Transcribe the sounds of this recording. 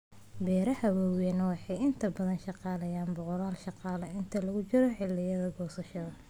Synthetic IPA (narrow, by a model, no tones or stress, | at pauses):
bɛːɾɐhɐwɐwɛnɐwɑħɑjɪnt̪ʰɐbɐðɐnʃɑqɑːlɐjaːnbʊqɔɾaːlʃɑqɑːlɐɪnt̪ʰɐlɐɣʊt͡ʃɪɾɔħɪlːɪjɐðɐɡɔːsɐʃɐðɐ